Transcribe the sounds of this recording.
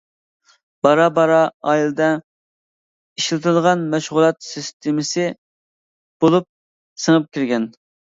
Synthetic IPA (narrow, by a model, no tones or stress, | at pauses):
b̥ɑɾɑbɑɾɑɑjilˠɨd̪ɛ | iʃlɨt̪ʰɨlˠʁɑnmæʃʁʊlˠɑt̪sɨst̪ʰɪmɪsɪ | b̥olˠup̚ | səŋəp̚kʲʰiɾɡʲɛn